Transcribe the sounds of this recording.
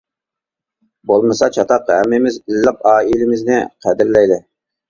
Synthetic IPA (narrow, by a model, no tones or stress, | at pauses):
bolˠmɨsɑt͡ʃʰɑt̪ʰɑqhæmːɪmɪzilːɪq̚ɑːilɪmɪznɪqʰæd̪ɪɾlɛjd̪ɪ